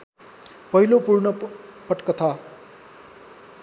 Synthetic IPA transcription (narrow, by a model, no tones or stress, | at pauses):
pʌɦilopurnʌpʌʈkʌt̪ʰʌ